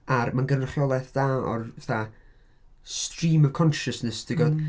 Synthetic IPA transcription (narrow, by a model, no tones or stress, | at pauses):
armanɡənrəχjɔlˠɛθd̥aɔ̰rɛθa | strimɔv̥kʰɔnʃəsnɛsd̥ɪɡɔd